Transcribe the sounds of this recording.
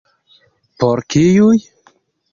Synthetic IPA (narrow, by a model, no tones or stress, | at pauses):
poɾkijuj